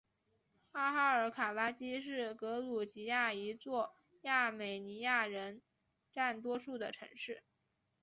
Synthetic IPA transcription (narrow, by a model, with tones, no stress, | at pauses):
a˥xa˥ə˞˧˥kʰa˨˩la˥t͡ɕi˥ʂɻ̩˥˩kɤ˧˥lu˨˩t͡ɕi˧˥ja˥˩i˧˥t͡swɔ˥˩˧ | ja˥˩me˨˩ɪni˧˥ja˥˩ɻə˧˥n | ʈ͡ʂa˥˩nt̪wɔ˥ʂu˥˩d̪ə˩ʈ͡ʂʰɤ̰˧˥ŋʂɻ̩˥˩